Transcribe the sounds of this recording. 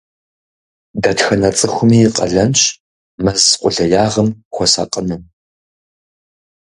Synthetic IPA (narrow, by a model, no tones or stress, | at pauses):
dɐtxɐnɐt͡sʼɨxʷʊmiːqʼɐ̰ɮɐnɕʼ | mɐzqʷʼʊɮɐjaːʁɐmxʷɔsa̰qʼənɨm